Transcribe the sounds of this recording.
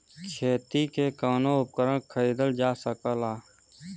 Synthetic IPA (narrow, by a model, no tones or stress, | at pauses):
kʰeːt̪ikekaːnõʊp̚kəɾənkʰəiːd̪əld͡ʒaːsəkəlaː